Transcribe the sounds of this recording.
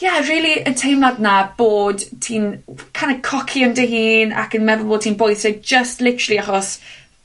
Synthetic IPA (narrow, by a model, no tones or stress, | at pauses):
jɛriːlˠiʔəntʰejmladnab̥oːd̥tʰiːnkʰajnəkʰɔkʰiəntʰəɦiːna̰kənmɛðʊlˠboːd̚tʰiːnbɔjsɛd͡ʒəstlɪtəɹəlˠiaχɔs